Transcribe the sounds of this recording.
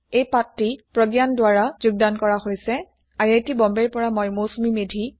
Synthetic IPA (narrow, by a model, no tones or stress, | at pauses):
ejpatːipɹɔɡjandwaɹazuɡ̚dankɔɹaɦojsɛ | ajajtibɔmbɛɹpɔɹamɔjmosumimedʱi